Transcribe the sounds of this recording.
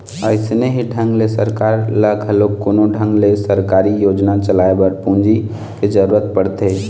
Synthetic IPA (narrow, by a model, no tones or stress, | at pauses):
ə̰ɪsneɦiɖʱə̃ŋɡlesəɾkaːɾləɡɦəloːkːoːnoɖʱə̃ŋɡlesəɾkaːɾijoːd͡ʒnat͡ʃəlaebəɾpũnd͡ʒi | ked͡ʒəɾuɾət̪̚pəɽt̪e